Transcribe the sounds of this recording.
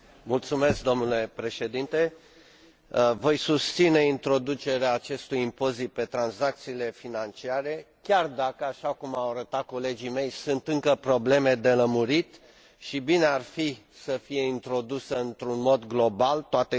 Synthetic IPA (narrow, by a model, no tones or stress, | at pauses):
mult̪sume̞sk̚d̪o̞mnule̞pɾe̞ʃe̞d̪int̪e̞ | vo̞jsust̪sine̞int̪ɾo̞d̪ut͡ʃe̞ɾeaːt͡ʃe̞st̪ujimpo̞zit̪̚pe̞t̪ɾanzak̚t̪siːle̞finant͡ʃiaɾe̞ | kʲard̪akəaʃakumawaɾət̪at̪̚ko̞le̞d͡ʒime̞jsunt̪ɨŋkəpɾo̞ble̞me̞d̪e̞ləmuɾit̪ | ʃibine̞arfi | səfije̞int̪ɾo̞d̪usəɨnt̪ɾunmo̞d̪ɡlo̞balt̪oat̪e